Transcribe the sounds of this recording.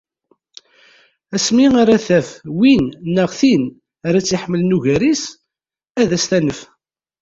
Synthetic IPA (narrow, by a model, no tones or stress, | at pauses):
æsmiaɾæθæfwinnːəʁθin | aɾæt͡sːjiħəmːəlnuʝæɾis | æðæst̪ænəf